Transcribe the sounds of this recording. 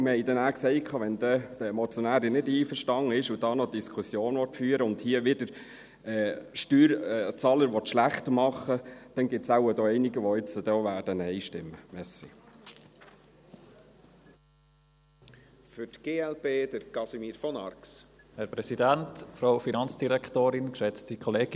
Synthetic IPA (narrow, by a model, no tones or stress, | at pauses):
məhɛɪd̪ɛnæːksɛɪkʰɑːʋɛnd̥̪ɛd̥əɛmɔt͡sjɔnæːɾinɪdiːfəɾʃtɑŋəɪʃud̥ɑːnɔd̥iskʰusjoːnʋɔtfyːɾəʊndhiəʋɪd̥əɾ | ɛːʃtyːɾɛt͡sɑːləɾʋɔt̪ʃlæχtmɑχəd̥ɛnɡɪt̪saʊəd̪oːɛɪniɡəʋɔɪt͡səd̥ɔːʋæːd̥ənɛɪʃtɪ̰mːəmɛsḭ | fʏtɡ̥eːɛlbeːd̥əɾkɑsimiːɾfɔnɑrks | hɛɾpɾɛsidæntfɾaʊfinɑnt͡sd̥iɾɛktoːɾɪnkʃɛt͡stikʰɔleːɡ